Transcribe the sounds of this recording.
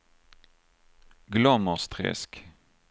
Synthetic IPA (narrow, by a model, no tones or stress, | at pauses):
ɡlœməʁst̪ʁɛ̰sk